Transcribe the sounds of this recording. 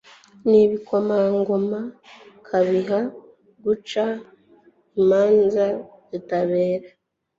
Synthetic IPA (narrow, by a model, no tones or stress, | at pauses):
niβiko̞maŋɡomakʰaβiɦa | ɡut͡ʃa | maːnza | zitaβe̞ːɾa